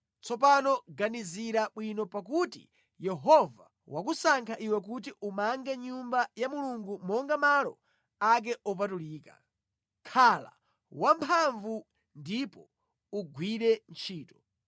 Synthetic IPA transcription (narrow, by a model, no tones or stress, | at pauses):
t͡sʰɔpanɔɡaniziɾaɓwinɔpak̬utḭ | jɛɦɔva | wakusaŋkʰaʔiwɛk̬utiʔumaŋɡɛɲumbajamuluŋɡumɔŋɡamalɔ̰ | ak̬ɛʔɔp̬atuliːka̰ | kʰala̰ | wampʰaɱvu | ndipɔ | uɡwiɾɛnt͡ʃʰiːtɔ̥